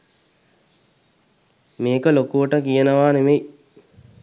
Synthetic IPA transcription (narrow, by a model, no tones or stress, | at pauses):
meːkəlokuʋəʈəkijənəʋaːnemej